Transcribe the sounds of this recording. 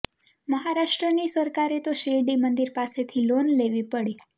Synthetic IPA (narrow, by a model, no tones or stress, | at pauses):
məɦaɾaʃʈɾənisəɾkaɾet̪oʃeɖimənd̪iɾpaset̪ʰilonleʋipəɽi